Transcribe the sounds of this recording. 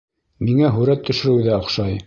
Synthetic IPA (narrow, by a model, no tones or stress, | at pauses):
miŋæɦʉɾæt̪ʰːɵ̆ʃɘ̆ɾɘðæŏχʃɑj